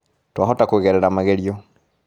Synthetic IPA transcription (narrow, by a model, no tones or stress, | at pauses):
twaɦɔtakweɣɛɾɛɾamaɣɛɾiɔ